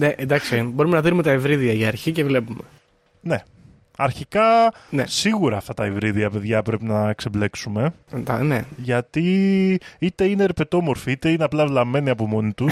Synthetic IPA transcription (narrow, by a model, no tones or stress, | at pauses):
neʔend̪ɐksibo̞ɾume̞nɐðinumet̪ɐivɾiðiɐiɐɾçicevle̞pume̞ | ne̞ | ɐɾçikɐnesiɣuɾɐːft̪ɐt̪ɐevɾiðiɐpe̞ðʝɐpɾe̞pinɐkseble̞ksume̞d̪ɐneʝɐt̪i | it̪e̞ine̞ːɾpe̞t̪o̞mo̞ɾfiit̪e̞ine̞ɐplɐvlɐmːe̞niɐpo̞mo̞nit̪us